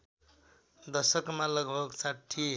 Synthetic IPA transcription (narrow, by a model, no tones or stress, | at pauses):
d̪ʌsʌkmalʌɡbʱʌɡsaʈʰːi